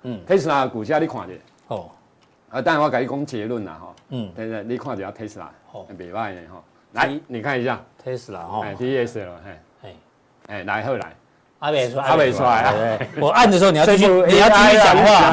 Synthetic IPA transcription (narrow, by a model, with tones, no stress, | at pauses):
t̪ʰe˦sa˧ku˨˩t͡ɕja˦ɾi˦˧kʰw̃ã˨t͡ɕḭ˨˩˨ | ho˨ | ə˧˦t̪ã˦n˨˧wa˦ka˨i˦˧kɔ˦ŋt͡ɕe˧lu˥˨na̰˨ɦɔ̰˧˨t̪e˦˧li˦kʰw̃ã˧˨t͡ɕi˨˩˨a˧t̪ʰe˦sa̰˨˧˨e˨be˨˩ba˦˧˨nḛ̃˨ɦɔ̰˥˨ | la˨˧˦jnĩ˨kʰa˥˧ni˧ɕja˥˨t̪ʰe˦sla˨˧ẽ˨t̪i˦e˧se˨˩ə˨˩ẽ˨˧ | ẽ˨la˨˦jɦə˧˨la̰˨˦j | a˧˦e˧˨sa˧˦a˦˨be˧swa˧e˨˧wo˨˩a˥˨ndə˨ʂ̬ɨ˧˦o˥˨˩nĩ˨˧˦u˧˨a˥˦a˧˨a˨ŋhwa˥˨